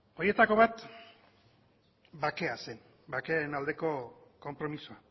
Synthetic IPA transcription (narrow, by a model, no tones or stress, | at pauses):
o̞je̞t̪ako̞βat̪ | bake̞ase̞n | bake̞aenald̪e̞ko̞ko̞mpɾo̞misua